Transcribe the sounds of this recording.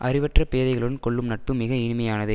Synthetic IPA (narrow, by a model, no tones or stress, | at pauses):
ʔɐrɪʋɐʈrɐpeːðɐɪɣɐɭɯɽɯnkɔɭːɯmnɐʈ̚pɯmɪɣɐɪnɪmɐjaːnɐðɯ